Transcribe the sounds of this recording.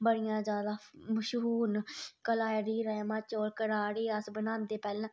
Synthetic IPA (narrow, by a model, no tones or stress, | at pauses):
bəɽɪjãːzjaːd̪aːməʃuːnkəlaːɾiːɾəemət͡ʃoːɾkəɽaːɽiːəsbənãːnd̪eːpɛːlːãː